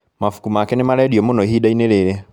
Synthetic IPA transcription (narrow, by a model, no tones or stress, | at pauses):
mafu̥kumakɛnemalɛdiɔmonɔiɦidaineɾeɾɛ